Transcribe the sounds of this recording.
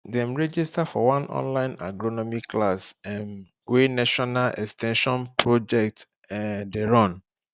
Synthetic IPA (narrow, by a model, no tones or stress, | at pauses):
dɛ̃mɹɛd͡ʒistafɔwãnɔ̰̃nlãɪ̃na̰ɡɹonɔmikʰːlasɛ̃n | wenaʃɔnalʔɛkstʰɛ̃nʃɔ̃npɹod͡ʒɛk̚t | ɛ̃deɹɔ̃n